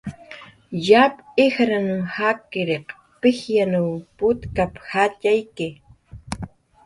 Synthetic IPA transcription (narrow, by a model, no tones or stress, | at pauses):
japɪxɾanʊmhakɪɾeq | pɪxjanawpʊt̪kapxat͡ʃajkɪ